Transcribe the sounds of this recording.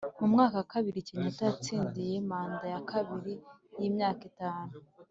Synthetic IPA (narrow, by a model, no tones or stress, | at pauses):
mumŋaːkakaβiɾiciɲotajat͡siːndije̞maːndajakʰaβiɾijiːmɲaːkitaːnu